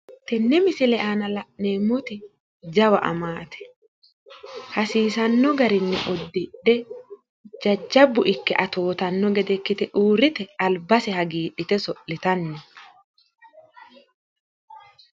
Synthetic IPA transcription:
t̪ɛnːɛmɪsɪlɛʔaːnɐlɐʔneːmːʊt̪ɪ | d͡ʒɐwɐ̰ʔɐ̰maːt̪ɛ̥ | hɐsiːsɐnːɔɡɐɾɪnːɛ̰ʔɔd̪ːɪᶑɛ | d͡ʒɐd͡ʒːɐbːʊʔɪkːɛʔɐt̪oːt̪ɐnːɔɡɛd̪ɛkːɪt̪ɛʔuːɾɪt̪ɛɐlbɐsɛhɐɡiːᶑɪt̪ɛsɔʔːɪt̪ɐnːɛ

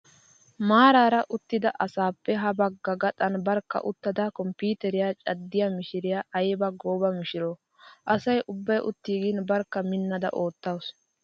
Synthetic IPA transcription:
maːɾaːɾɐʔʊt̪ːɪd̪ɐʔɐsaːpːɛɦɐbɐɡːɐɡɐt̪ʼɐnbɐɾkːɐ̰ʔʊt̪ːɐd̪akɔmpiːt̪ɛɾɪjat͡ʃʼɐd̪ːɪjamɪʃɪɾɪjaːʔɐjbɐɡoːbɐmɪʃɪɾoː | ʔɐsɐjʔʊbːɐjʔʊt̪ːiːɡinbɐɾkːɐmɪnːɐd̪ɐ̰ʔo̞ːt̪ːɐws

